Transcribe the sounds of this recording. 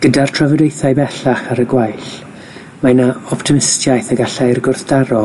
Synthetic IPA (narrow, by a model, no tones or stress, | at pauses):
ɡ̥ədartʰravɛdejθajbɛɬaχaɾəɡwajɬ | manaɔptʰɪmɪstjajθəɡaɬajrɡʊrθd̥aɾɔ